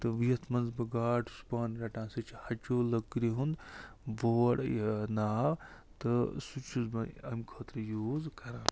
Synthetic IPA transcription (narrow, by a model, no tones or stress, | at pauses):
t̪ɨʋiɐt̪ʰmɐnzbɐɡaːʈʰu̥spaːnɾɐʈãːsit͡ʃʰihɐt͡ʃoːlɐkːɾiɦund̪ʋoːɽnaː | t̪ɨsut͡ʃʰuzbɐɐ̰mkʰəːt̪ɾjuːzkɐɾãːn